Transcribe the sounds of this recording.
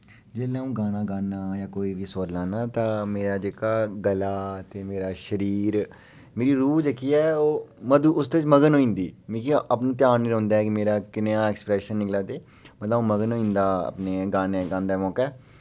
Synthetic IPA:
d͡ʒeːlɛ̃ːũːɡaːnaːɡaːnaːjãːkoːiːʋiːsoːɾlaːnãːt̪ãːmeːɾaːd͡ʒeːkaːɡəlaːt̪eːmeːɾaːʃəɾiːɾ | meːɾiːɾuːd͡ʒəkːiːɛːoːməd̪uːʊsd̪eːɪt͡ʃməɡənɦoːĩːnd̪iːmĩːkiʔapnũːt̪ɪjaːnnĩːɾə̃ːnd̪aːɛkɪmeːɾaːkɪneãːɛːksə̥pɾɛːʃənːɪklãːd̪eː | mət̪ləoːməɡənoːĩːnd̪aːə̰pneːɡaːneːɡãːnd̪aːmɔːkɛː

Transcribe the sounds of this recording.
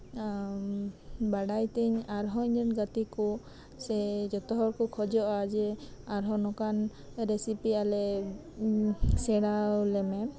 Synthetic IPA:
baɽajt̪ɛɲaɾɦɔiɲd͡ʒɔnɡat̪iku | sɛd͡ʒɔt̪ɔɦɔɾkɔkʰɔd͡ʒɔʔad͡ʒɛaɾɦɔnɔkan | ɾesipialɛ | sɛɽawlɛmɛ

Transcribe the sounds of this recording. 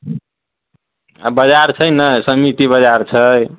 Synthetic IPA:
bəd͡ʒaɾt͡ʃʰəjnəsəmit̪ibəd͡ʒaɾt͡ʃʰəj

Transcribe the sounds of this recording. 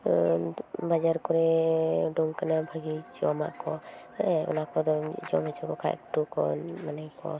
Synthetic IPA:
bad͡ʒaɾkɔɾɛɖuŋkanabʱaɡid͡ʒɔwama̰ʔkɔ | ɔ̰nakɔd̪ɔ̰d͡ʒɔmɛt͡ʃukɔkʰa̰ʔkʈukɔ̰manajkɔ̰

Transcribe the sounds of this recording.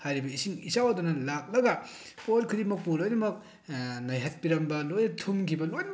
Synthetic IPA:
hajɾibɐisiŋisawɐdunɐlak̚lɐɡɐ | polkʰɯɾimɐk̚puɾojɾɐmɐk̚ | nɐjɦɐt̚piɾɐmbɐlojɐtʰumkʰibɐlojn

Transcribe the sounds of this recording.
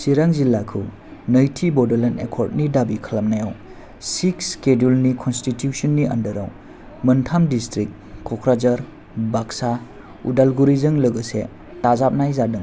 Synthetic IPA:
siɾaŋzilːakʰɯ | nɐjtʰibɔdelenḛkʰɔɾd̚nidabikʰɐlamnajaw | sikskedulnikʰɔnstitjusɔnːiɐndəɾaw | mɐntʰamdistɾikː | ɔkʰɾad͡ʒɐɾ | baksa | udalɡuɾizɯŋləɡɯsḛ | tazap̚najzadɯŋ

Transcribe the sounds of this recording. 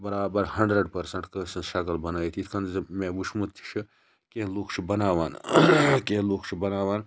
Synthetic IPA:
bɐɾaːbɐɾhɐɳɖɾɐɖpɐɾsɐɳʈkɐsɐʃɐkɐlbɐnaːjit̪ʰit̪ʰkɐnzimẽːʋut͡ʃʰmut̪ʰːi̥t͡ʃʰɨ | kẽːloːkʰt͡ʃʰibɐnaːʋaːnkeloːkʰt͡ʃʰibɐnaːʋaːn

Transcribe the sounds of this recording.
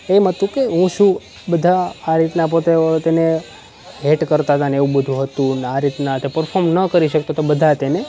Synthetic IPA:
emɦət̪ũkeɦũʃũ | bəd̪ʱaːɾit̪nap̬ot̪et̪ene | ɦeʈkəɾt̪aɦt̪ʰaneʋũbəd̪ʱũɦət̪ũnaɾit̪nat̪epəɾfʰoɾmnəkəɾiʃəkt̪at̪obəd̪ʱat̪ene

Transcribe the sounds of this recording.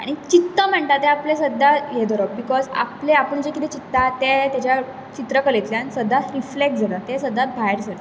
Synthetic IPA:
a̰ɽ̃it͡ɕit̪ːəm̤əɳʈ̪at̪ẽaplesəd̪ajed̪ʱɔɾəbikɔza̰pleapəɳd͡ʑekit̪et͡ɕit̪ːat̪et̪jat͡ɕja | t͡ɕit̪ɾəkəlet̪ljansəd̪ːatɾiflek̚ʈd͡zʱalat̪esəd̪ːat̪̚bʱaɦeɾd͡zəɾə

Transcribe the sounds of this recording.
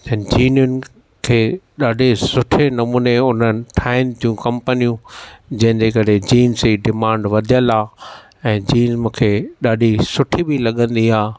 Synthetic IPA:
t̪ɐnd͡ʑiːnjʊnɪ̆ | kʰeːɗaːɗʱesʊʈʰenɐmuːneʊn̤ənɪ̆ʈʰaːɪmt̪ʰijũkɐ̃mpənijũd͡ʑɐ̃ɦɪ̃ndekɐɾed͡ʑiːnziːɖɪmãːɳɖʋɐd̪ʱijəlaː | ɛ̃ːd͡ʑiːnzmũːkʰeːɗaːɗʱisʊʈʰibilɐɠə̃nd̪iaː

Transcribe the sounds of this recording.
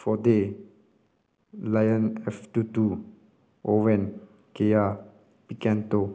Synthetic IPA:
fɔde | lajə̃nɛft̪utu | ʔovɛ̃n | keja | pikɛ̃nto

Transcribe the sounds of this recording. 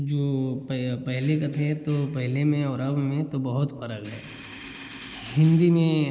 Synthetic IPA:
d͡ʒoːppɛɦlekɐt̪ʰẽt̪opɛɦlemẽɔːɾɐbmẽt̪obɐɦʊt̪fɐɾəkɦɛ̰ː | ɦɪ̃nd̪imẽ

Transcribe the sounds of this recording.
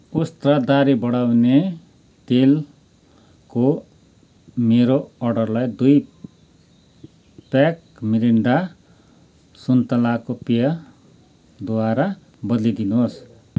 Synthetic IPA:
ust̪rad̪aɾibʌɽawne | t̪el | ko | meɾoʌrɖʌrlajd̪uj | pak | miɾiɳɖa | sunt̪ʌlakopijʌ | d̪uwaɾa | bʌd̪lid̪inuɦos

